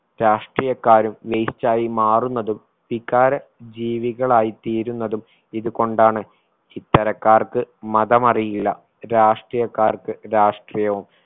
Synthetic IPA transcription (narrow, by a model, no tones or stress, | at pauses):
ɾaːʂʈriːjɐkːaːɾumʋejt͡ɕːaːjimaːrunːɐðum | ʋikːaːɾɐd͡ʑiːʋiɣɐɭaːjit̪iːɾunːɐðum | iðuko̞ɳɖaːɳɨ | t͡ɕit̪ːɐɾɐkːaːrkɨmɐðɐmɐrijilːɐ | ɾaːʂʈrijɐkːaːrkɨɾaːʂʈrijɐʋum